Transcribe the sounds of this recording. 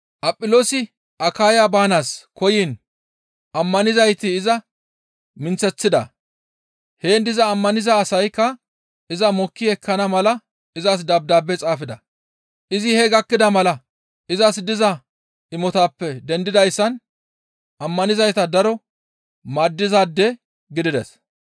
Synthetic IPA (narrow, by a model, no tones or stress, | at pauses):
ʔɐpʼːɪloːsɪ | ʔɐkaːjabaːnaːskʰɔjiːn | ʔɐmːɐnɪzɐjt̪ɪːzɐ | mɪnt͡sːɛt͡sːɪd̪ɐ̰ | he̞ːnd̪ɪzɐːmːɐnɪzɐːsɐjkːɐ | ʔɪzɐmɔkːɪɛkʰːɐnɐmɐlɐ | ɪzɐs̬d̪ɐb̚d̪aːbːɛt͡sʼaːfɪd̪ɐ | ʔɪzɪhɛɡɐkːɪd̪ɐmɐlɐ | ʔɪzɐsd̪ɪzɐ | ɪmɔt̪aːpːɛd̪ɛnd̪ɪd̪ɐjsːɐn | ʔɐmːɐnɪzɐjt̪ɐd̪ɐɾɔ | maːd̪ːɪzaːd̪ːɛ | ɡɪd̪ɪd̪ɛ̰s